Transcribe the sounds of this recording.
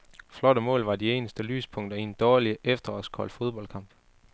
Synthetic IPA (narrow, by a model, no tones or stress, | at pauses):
flɒ̽ɾ̥əmɔ̰̽ːlʋɑ̈die̝̰ːnəsd̥əly̰ːspʰɔ̽ŋ̰d̥ɐind̥ɒːliʔefd̥ɐɒsɡ̥hɒ̽l̰fo̝ð̞ˠb̥ɒ̽l̰kʰɑ̈mb̥